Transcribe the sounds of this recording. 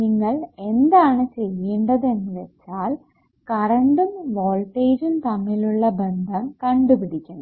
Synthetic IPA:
niŋːɐɭe̞nd̪aːɳɨt͡ɕe̞jːeːɳɖɐðe̞nːuʋet͡ɕːaːl | kɐrɐɳɖumʋoːlʈeːɾumt̪ɐmːiluɭːɐbe̞nd̪ʱɐmkɐɳɖubid̪ʱikʲːunːɐ

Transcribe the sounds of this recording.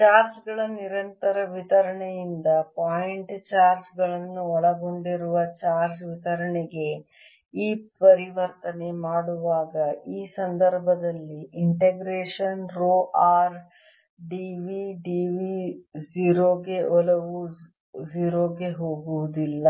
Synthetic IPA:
t͡ʃaːɾd͡ʒɡɐɭɐniɾɐnt̪ɐɾɐʋit̪ɐɾɐɳejind̪ɐpaːjiɳʈt͡ʃaːɾd͡ʒɡɐɭɐnːuɔɭɐɡo̞ɳɖiɾuʋɐt͡ʃaːɾd͡ʒʋit̪ɐɾɐɳeɡe̞ | iːpɐɾiʋɐɾt̪ɐne̞maːɽuʋaːɡɐiːsɐnd̪ɐɾbʱɐd̪ɐlːiiɳʈeɡɾeːʂɐnɾoːʔaːɾ | ɖiʋiɖiːʋiziːɾoːɡe̞ʔɔlɐʋu | d͡ʒiːɾoːɡe̞ɦoːɡuʋud̪ilːɐ

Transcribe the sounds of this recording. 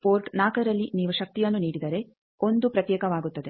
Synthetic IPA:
poːɾʈnaːkɐɾɐlːiniːʋuʃɐk̚t̪ijɐnːuniːɽid̪ɐɾe̞ | o̞nd̪upɾɐt̪jɛːkɐʋaːɡut̪ːɐd̪e̞

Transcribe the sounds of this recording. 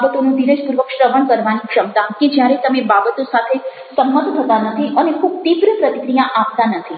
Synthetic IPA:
bət̪onũd̪iɾed͡ʒpuɾʋəkʃɾəʋəɳkəɾʋanikʃəmt̪ãked͡ʒjaɾet̪əmebabət̪osat̪ʰe | səmːət̪t̪ʰət̪anət̪ʰiʔənekʰub̚t̪ibɾəpɾət̪ikɾijaʔapt̪anət̪ʰi

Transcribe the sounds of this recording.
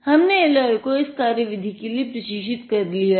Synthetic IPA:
hɐmneɪlaːjkoɪskaːɾjəʋɪd̪ʱikeliepɾɐʃiːʃ̬ɪt̪kɐɾlija

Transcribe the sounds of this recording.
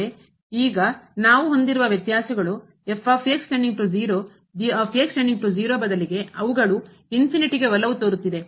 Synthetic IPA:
e | iːɡɐnaːʋuɦo̞nd̪iɾuʋɐʋjɐt̪jaːsɐɡɐɭu | efʰaːpʰeksʈɐɳɖiŋpɾud͡ʒiːɾoː | d͡ʒipʰeːksʈɐɳɖiŋpɾud͡ʒiːɾo̞ːbɐd̪ɐliɡe̞ɐʋuɡɐɭu | inpʰiniʈiɡe̞ʋɐlːɐʋut̪oːɾut̪ːid̪e̞

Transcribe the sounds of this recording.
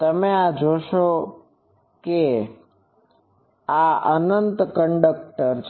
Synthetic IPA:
t̪əmead͡ʒoʃo | ke | aənənt̪kəɳɖək̚ʈəɾt͡ʃʰ

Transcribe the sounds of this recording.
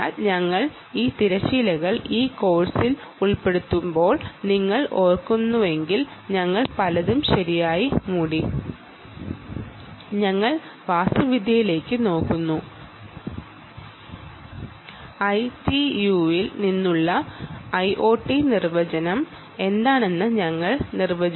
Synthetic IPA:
aːlɲɐŋːɐɭ | iːt̪iɾɐɕiːlɐɣɐɭiːko̞ːrsil | uɭpe̞ɽut̪ːumbo̞ːɭniŋːɐɭʔo̞ːrkːunːuʋe̞ŋɡilɲɐŋːɐɭpɐlɐðumɕɐɾijaːjimuːɽi | ɲɐŋːɐɭʋaːsuʋid̪ʱjɐjile̞ːkːɨno̞ːkːunːu | ɐjtijuilninːuɭːɐɐjʔoːʈːinirʋɐd͡ʑɐnɐm | e̞nd̪aːne̞nːɨɲɐŋːɐɭnirʋɐd͡ʑɐ

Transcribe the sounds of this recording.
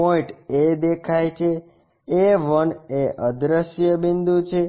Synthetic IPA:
oĩʈed̪ekʰajt͡ʃʰe | eʋəneʔəd̪ɾəʃjəbind̪ut͡ʃʰe

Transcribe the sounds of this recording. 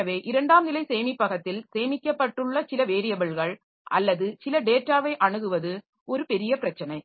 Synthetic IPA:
ɐʋeːʔɪɾɐɳɖaːmnɪlɐɪseːjmɪpːɐɣɐt̪ːɪlseːmɪkʲːɐpːɐʈːɯɭːɐsɪlɐʋeːɾɪjɐbɐɭɣɐɭ | ʔɐ̰lːɐðɯsɪlɐɖeːʈːaːʋɐɪʔɐɳɯɣɯʋɐðɯ | ɔɾɯpɛɾɪjɐpɪɾɐt͡ʃːɐnɐɪ

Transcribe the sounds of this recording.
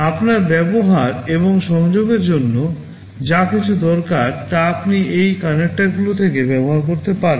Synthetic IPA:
apnaɾbɛboɦaɾeboŋʃɔŋd͡ʑoɡeɾd͡ʑonːo | d͡ʑakit͡ɕʰud̪ɔɾkaɾt̪aapniejkanek̚ʈaɾɡulot̪ʰekebɛboɦaɾkoɾt̪epaɾe

